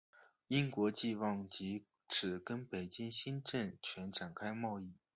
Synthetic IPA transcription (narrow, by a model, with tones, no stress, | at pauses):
i˥nkwɔ˧˥t͡ɕi˥˧wɑ˥˩ŋt͡ɕi˧˥ | ʈ͡ʂʰɻ̩˨˩kə˥npe˨˩ɪt͡ɕi˥ŋɕi˥nʈ͡ʂə˥˩nt͡ɕʰɥɛ˧˥nʈ͡ʂa˨˩nkʰa˥ɪmɑ˥˧ʊi˥˩